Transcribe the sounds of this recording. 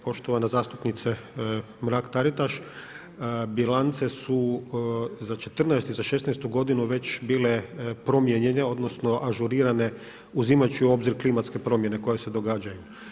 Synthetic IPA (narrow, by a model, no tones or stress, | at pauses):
po̞ʃt̪o̞ʋanazaːst̪upnit̪se | mɾakt̪aɾit̪aʃ | bilant̪se̞su | zat͡ʃe̞t̪r̩nɛest̪izaʃe̞snɛst̪uɡo̞d̪inuʋe̞t͡ʃbiːle̞pɾo̞mjeɲe̞neo̞d̪nosno̞ʔaʒuɾiːɾane̞ | uzimat͡ʃio̞bziɾklimat̪ske̞pɾo̞mje̞ne̞ko̞jese̞d̪o̞ɡaːd͡ʒaju